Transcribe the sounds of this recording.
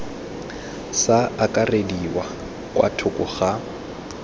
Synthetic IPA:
saakʼarediwa | kwa̰tʰʊkʼʊχa

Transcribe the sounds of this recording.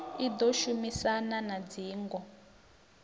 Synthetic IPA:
id̪oʃumisananad͡ziːŋɡɔ

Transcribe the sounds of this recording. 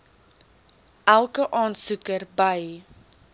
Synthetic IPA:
ʔælˠkəʔɑːnsukərbəj

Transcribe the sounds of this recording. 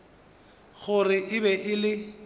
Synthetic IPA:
ɣʊrɪʔɪbɛʔɪlɪ

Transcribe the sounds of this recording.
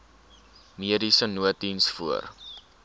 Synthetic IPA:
miədisənuətinsfuə̰r

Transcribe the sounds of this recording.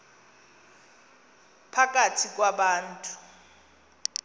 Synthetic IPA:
pʰak̬ʼatʰik̬ʼwaɓaːn̩tʼu̥

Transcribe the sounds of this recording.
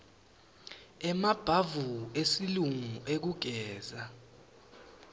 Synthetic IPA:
ɛmab̥ʱavuesiluŋuʔek̬uɡ̥ʱɛːza

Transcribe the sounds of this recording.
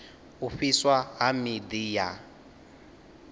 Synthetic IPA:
uɸiswaɦamid̪ija

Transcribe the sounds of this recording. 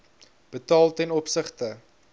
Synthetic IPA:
b̥ətɑːlˠtɛnɔpsəχtə

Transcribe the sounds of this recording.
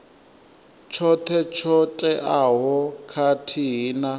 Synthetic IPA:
t͡ʃʰɔt̪ʰɛt͡ʃʰɔtʼɛʔaɦɔkʰatʰiɦina

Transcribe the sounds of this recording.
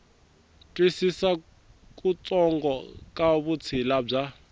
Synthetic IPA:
tʼwisisa | kʼut͡sɔŋɡɔkʼaβut͡sʰilab͡ʐa

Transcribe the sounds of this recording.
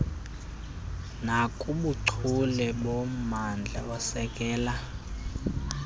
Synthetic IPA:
nakʼuɓuǀʰulɛɓomand͡ɮʱa̰ɔsɛkʼɛːla

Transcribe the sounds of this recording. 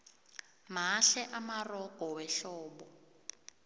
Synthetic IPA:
m̤aʃɛʔamarɔkɔwɛɬɔːɓɔ

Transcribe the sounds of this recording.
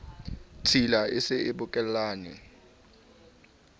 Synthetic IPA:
tʰilaɪsɪɪɓʊkʼɛllaːnɛ̰

